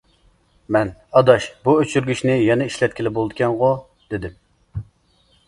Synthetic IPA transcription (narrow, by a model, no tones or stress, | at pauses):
mɛnɑd̪ɑʃbuøt͡ʃʰyɾɡʲyʃnɪjɛnɛiʃlɛt̪̚kʲilɪbolˠd̪ɨkʲʰɛnʁo | d̪̥ɪd̪ɪm